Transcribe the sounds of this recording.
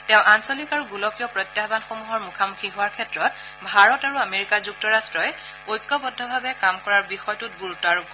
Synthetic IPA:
tɛ̃ʊ̃ʔansolikaɹuɡulɔkijɔpɹɔtjabanxomuɦɔɹmukʰamukʰiɦʊaɹkʰɛtɹɔt̚ | bʱaɹɔtaɹuameɹikazuk̚tɔɹastɹɔj | ojkːɔbɔdʱːɔbʱabɛkamkɔɹaɹbixɔjtʊt̚ɡuɹutɔaɹuɔ

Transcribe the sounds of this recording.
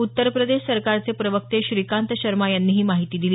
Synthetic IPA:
ut̪ːəɾpɾəd̪eɕsəɾkaɾt͡sepɾəʋək̚t̪eɕɾikant̪əɕəɾmajanːiːɦiːmaɦit̪iːd̪ili

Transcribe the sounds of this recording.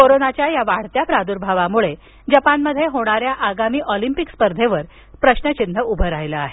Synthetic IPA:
koɾonat͡ɕjajaʋaɽ̤t̪japɾad̪uɾbʱaʋamuɭe | d͡ʑəpanməd̪ʱːjeɦoɽ̃aɾjaʔaɡamiːʔɔlimpikspəɾd̪ʱeʋəɾ | pɾəɕnət͡ɕindʱəʔubʱəɾajləaɦe

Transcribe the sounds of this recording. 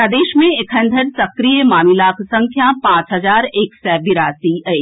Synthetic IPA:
ɐd̪eːʃmẽɪkʰə̃nd̪ʱəɾsɐkɾijəmaːmilaːkʰsɐ̃ŋkʰjapãːt͡ʃɦɐzaːɾeːksɛbɪɾaːsiə

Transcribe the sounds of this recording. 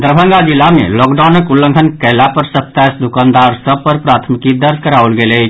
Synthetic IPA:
d̪ɾbʱəŋɡad͡ʒilːamḛlɔkɖanəkulːə̃ŋɡʱənkəlapəɾsət̪asd̪ukand̪aɾsəb̚pəɾpɾat̪ʰmikid̪əɾd͡ʒʱkəɾaolɡeləjt͡ʃʰ

